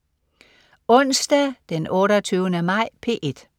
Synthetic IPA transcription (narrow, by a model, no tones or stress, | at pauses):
ɔ̽nsd̥ɛd̥enɔːɾɒt͡sʰyːʊənəmɑ̈ɪ̰pʰe̝̰ːʔe̝d̥